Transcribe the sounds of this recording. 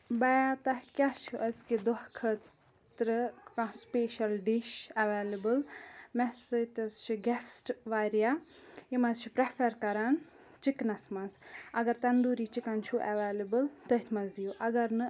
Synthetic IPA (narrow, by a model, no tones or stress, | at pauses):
bɐjat̪ɐhkʲat͡ʃʰuʔɐsked̪ɔhkʰə | t̪ɾəkãspeːʃɐlɖiʃɐʋeːlɐbɨlmɛsɨt̪ɐzt͡ʃʰiɡɛsʈʋaːɾija | imɐzt͡ʃʰi̥pɾepʰɐɾkɐɾan | t͡ʃiknɐsmɐnsɐɡɐɾt̪ɐnd̪uːɾiːt͡ʃikɐnt͡ʃʰuʔɐʋeːlɐbɨlt̪ɐit̪ʰmɐnzd̪ijuʔɐɡɐɾnɨ